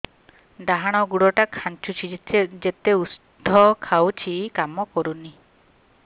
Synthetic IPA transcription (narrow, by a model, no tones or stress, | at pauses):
ɖaɦaɽ̃ɔɡuɽɔʈakʰant͡ʃut͡ʃʰit̪ʰd͡ʒet̪eus | d̪ʱɔkʰawt͡ʃʰikamɔkɔɾuni